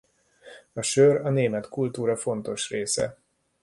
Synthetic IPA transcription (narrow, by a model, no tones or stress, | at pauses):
ɒʃørɒneːmɛt̪kult̪uːɾɒfo̞nt̪o̞ʃreːsɛ̰